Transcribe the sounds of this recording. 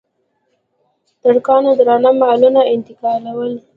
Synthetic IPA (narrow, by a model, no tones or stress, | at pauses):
d̪̥aɽkɑnod̪ɾɑnamalunaɪnt̪ɪkɑlawəl